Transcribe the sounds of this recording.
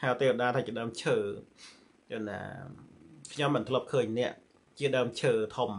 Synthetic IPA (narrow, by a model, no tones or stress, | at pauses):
hat̪eːʋəɗaːt̪ʰaːt͡ɕiəɗaːəmt͡ɕʰəː | kəna̰ː | kʰɲomːɨnt̪ʰələp̚kʰəːɲnɛ̆əʔ | t͡ɕiəɗaːmt͡ɕʰəːt̪ʰom